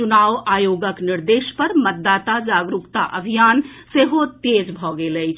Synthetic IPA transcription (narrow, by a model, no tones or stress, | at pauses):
t͡ʃunawaːjoɡəkniɾd̪eʃpəɾmət̪̚d̪aːt̪ad͡ʒaɡɾukt̪a̰ʔəbʱijaːnseɦot̪ed͡ʒbʱɔɡeləjt͡ʃʰ